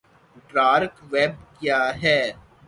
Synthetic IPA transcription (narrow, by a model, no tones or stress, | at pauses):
ɖɾaːɾkʋeːb̚kjaːɦɛː